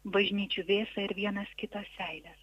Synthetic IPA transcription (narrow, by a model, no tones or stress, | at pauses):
bɐʒʲnʲiːt͡ʃʲuʋʲeːsɐɪɾʋʲiɛnɐskʲɪt̪ɐsʲsʲæɪlʲɛːs